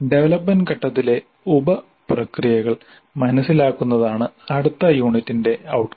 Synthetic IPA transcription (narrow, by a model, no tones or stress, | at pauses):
ɖe̞ʋɐlɐpːɐnkɐʈːɐt̪ːile̞ | ubɐ | prɐkrijɐɣɐɭ | mɐnɐsilaːkːunːɐðaːɳɨɐɽut̪ːɐjuːɳitːinde̞ɐwʈ